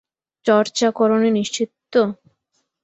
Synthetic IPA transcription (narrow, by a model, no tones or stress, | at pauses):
t͡ɕɔɾt͡ɕakɔɾoneniʃt͡ɕit̪ːo